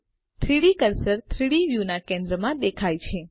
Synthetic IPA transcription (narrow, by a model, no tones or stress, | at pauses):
t̪ʰɾiɽikəɾsəɾt̪ʰɾiɽiʋjunakẽnd̪ɾəmãd̪ekʰajt͡ʃʰe